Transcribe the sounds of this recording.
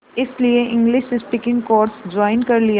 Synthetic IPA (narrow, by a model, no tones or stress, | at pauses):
ɪslieʔɪ̃ŋɡlɪʃɪspɪkɪ̃ŋɡkoːɾsd͡ʒɔːɪnkɐɾlia